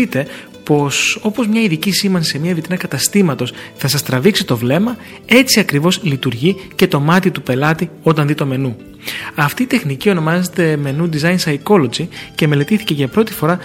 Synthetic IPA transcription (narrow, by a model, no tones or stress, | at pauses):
it̪e̞ | po̞so̞po̞zmɲɐiðicisimɐnsemiɐvit̪inɐkɐt̪ɐst̪imɐt̪o̞sθɐsɐst̪ɾɐviksit̪o̞vle̞mɐ | e̞t͡siɐkɾivo̞zlit̪uɾʝice̞t̪o̞mɐt̪it̪upe̞lɐt̪io̞t̪ɐnðit̪o̞me̞nu | ɐft̪iːt̪e̞xnicio̞no̞mɐze̞t̪e̞me̞nud̪izɐjnsɐjko̞lod͡zice̞me̞le̞t̪iθice̞ʝɐpɾo̞t̪i̥fo̞ɾɐ